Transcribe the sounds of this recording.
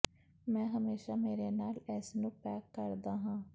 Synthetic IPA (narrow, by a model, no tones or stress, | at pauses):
mɛ̃ːɦəmeːʃaːmeːɾeːnaːlɛːsnũːpɛːkːəɾd̪aːɦãː